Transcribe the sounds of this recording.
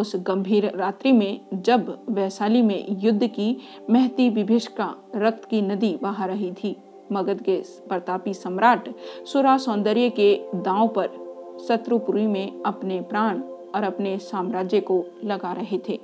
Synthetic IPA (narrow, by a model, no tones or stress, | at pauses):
ʊsɡɐ̃mbʱiːɾɾaːt̪ɾimẽd͡ʒɐbʋɛːsaːlimḛ̃jʊd̪ʱːki | mɛɦt̪iʋɪbʱeːʃkaɾɐk̚t̪kinɐd̪ibaːɦəɾɐɦit̪ʰiː | mɐɡəd̪ke | bɐɾt̪aːpisɐmɾaːʈsʊɾaːsɔ̃ːnd̪əɾjəked̪ãːõpɐɾsɐt̪ɾupʊɾimẽɐpnepɾaːɽ̃ | ɔːɾɐpnesaːmɾaːd͡ʒjəkolɐɡaɾɐɦet̪ʰeː